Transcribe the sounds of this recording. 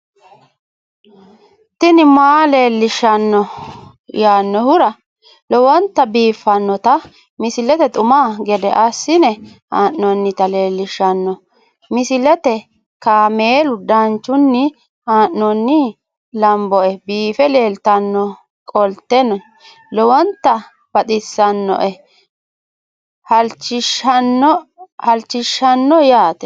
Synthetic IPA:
t̪ɪnɪmaːle̞ːlːɪʃːɐnːɔ | jaːnːɔhʊɾɐ | lɔwɔnt̪ːɐbiːfːɐnːɔt̪ɐ | mɪsɪlɛt̪ɛt̪ʼʊmaːɡɛd̪ɛʔɐsːɪnɛ | haːʔnɔnːɪt̪ɐle̞ːlːɪʃːɐnːɔ | mɪsɪlɛt̪ɛ | kaːmeːlʊd̪ɐnt͡ʃːʊnːɪ | haːʔnɔnːɪ | lɐmbɔʔɛbiːfɛle̞ːlt̪ɐnːɔ | kʼɔlt̪ːɛnɔ | lɔwɔnt̪ːɐ | b̥ɐt̪ʼɪsːɐnːɔ̰ʔɛ | hɐlt͡ʃːɪʃɐnː | hɐlt͡ʃːɪʃːɐnːɔjaːt̪ɛ

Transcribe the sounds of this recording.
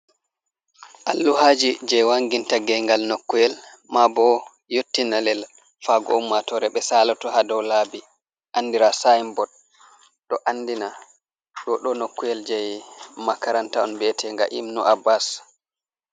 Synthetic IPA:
ʔalːuhad͡ʒid͡ʒɛjwaŋɡintaɡɛjŋɡalnokːujɛl | mabɔ | jotːinalɛl | faɡɔ̰umːatɔɾɛɓɛsalɔtɔhadɔwlaːbi | ʔandiɾasajmbɔd̚ | ɗɔʔanːdina | ɗɔɗɔnokːujɛld͡ʒɛjmakaɾantaɔnbɛtʰɛŋɡa̰ʔimnuʔabːas

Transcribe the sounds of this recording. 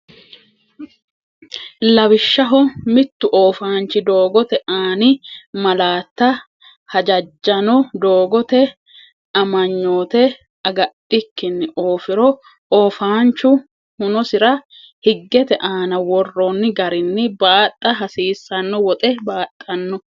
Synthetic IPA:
lɐwɪʃːɐɦɔmɪt̪ːʊʔoːfaːnt͡ʃːɪd̪o̞ːɡɔt̪ɛʔaːnɪmɐlaːt̪ːɐ | hɐd͡ʒɐd͡ʒːɐnɔd̪oːɡɔt̪ɛ | ɐmɐɲːo̞ːt̪ɛ | ɐɡɐtːɪkːɪnːɪʔoːfɪɾɔ | ʔoːfaːnt͡ʃːʊ | hʊnɔsɪɾɐ | hɪɡːɛt̪ɛʔaːnɐwɔrːɔnːɪɡɐɾɪnːɪbaːt̪ʼːɐɦɐsiːsːɐnːɔwɔt̪ʼɛbaːt̪ʼːɐnːɔ

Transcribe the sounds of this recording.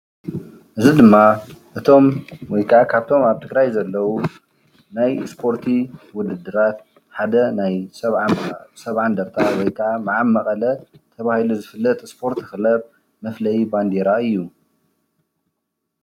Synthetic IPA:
ʔɨzid̪ɨmːaʔɨt̪ʰo̞mwɔjkʰʕakʰaβt̪ʰo̞maβt̪ʰɨɡɾajzɐlːɐwu | najspʰo̞ɾt̪ʰiwʊd̪ɨd̪ːɨɾat̪ | ħad̪ɐnajsɐβsɐβʕand̪ɐɾt̪ʰawɔjkʰamɨʕamːɐkʼɐlɐt̪ʰɐβahiluzɨfɨlːɐt̪ʼspʰo̞ɾt̪ʰɨxɨlɐβ | mɐflɐjiband̪iɾaɨjːu

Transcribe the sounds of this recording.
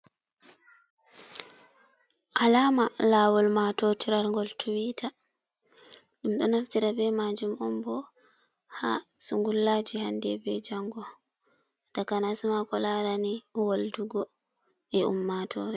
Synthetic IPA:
ʔalaːmalaːwɔlmatɔtiɾaɾŋɡɔltʰuwita | ɗumɗɔnaftiɾabɛmad͡ʒumɔmbɔ | ha̰suŋɡulːaːd͡ʒihandɛbɛd͡ʒaŋɡɔ | d̥akanasumakɔlaɾaniwalduɡɔ | ɛʔṵmːatʰɔ̰ɾɛ

